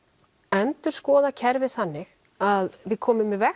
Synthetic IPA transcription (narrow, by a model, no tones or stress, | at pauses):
œnt̪ʏɾ̥skɔːðacʰɛɾvɪ̥θanːɪx | aðvɪðkʰɔːmɪmɪvɛ